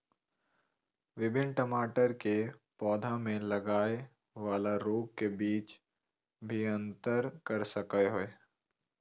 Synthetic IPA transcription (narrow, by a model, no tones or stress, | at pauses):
ʋɪbʱɪnʈɐmaːʈəɾkepɔːd̪ʱãmẽlɐɡaːe | ʋaːlaɾoːk̚kebiːt͡ʃ | bʱiɐ̃nt̪əɾkɐɾsɐkəɦoe